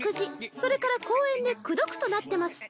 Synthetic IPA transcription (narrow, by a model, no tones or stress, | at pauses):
kɯ̟ʑiso̞ɾe̞kaɾako̞ːẽ̞nd̪e̞kɯ̟d̪o̞kɯ̟̥t̪o̞nat̪ːe̞masɨ̥